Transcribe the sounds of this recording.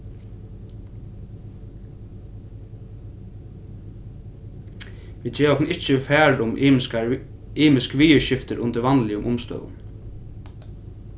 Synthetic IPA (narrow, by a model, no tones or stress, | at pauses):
ʋiːt͡ʃɛːɾɔknɪht͡ʃəfæːɹʊmka | iːmɪskəʋiːəɹʃɪft̪əɾʔʊnt̪əɾʋanlɪʊmʔʊmst̪œ̰ːʋʊ̰n